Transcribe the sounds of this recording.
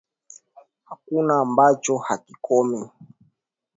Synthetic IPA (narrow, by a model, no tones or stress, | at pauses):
hakunaːmbat͡ʃɔhakikʰɔmɛ